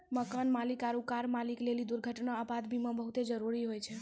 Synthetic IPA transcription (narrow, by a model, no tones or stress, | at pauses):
məkənmalikaɾukaɾmaliklelid̪uɾɡʱəʈnaəbad̪bʱimə̃bəɦut̪ed͡ʒəɾuɾiɦojt͡ʃʰɛ